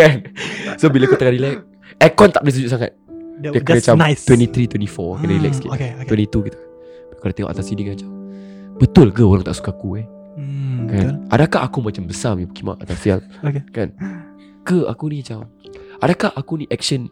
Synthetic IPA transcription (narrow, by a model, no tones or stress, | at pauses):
kansobilakut̪akaɾilɛk̚ | ɛkɔnt̪aʔbəlisəd͡ʒuʔsaŋa̰t̪̚diakat͡ʃamnst̪wɛntit̪ɾit̪wɛntifɔkanaɾilɛkskit̪et̪wɛntit̪ukit̪u̥n | bikadat̪eŋɔ̰ʔat̪asidikaat͡ʃam | b̥ət̪ʊlɡəoɾaŋt̪aʔsu̥kakue | kanʔadakahakumat͡ʃambəsamiukima̰ʔa̰t̪asiaŋ | kekan | ɡəa̰kunĩat͡ʃam | adakahakuniʔɛk̚ʃən